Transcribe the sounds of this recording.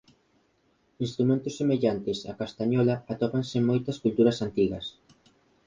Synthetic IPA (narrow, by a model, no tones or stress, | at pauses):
inst̪ɾumẽnt̪ʊsːemeʎant̪ɪsakast̪aɲɔlaat̪ɔpansemojt̪ɐskult̪uɾɐsant̪iɣɐs